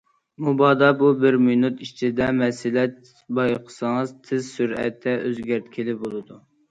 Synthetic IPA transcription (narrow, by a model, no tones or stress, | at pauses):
mubɑd̪ɑbubɪɾmenut̪it͡ʃʰid̪ɛmɛsɪlɛt̪ | bɑjqʰə̥səŋɨzt̪ʰɪzsyɾɛ̰t̪ʰːɛʔøzɡʲæɾt̪kʲʰilɪbolˠɨd̪u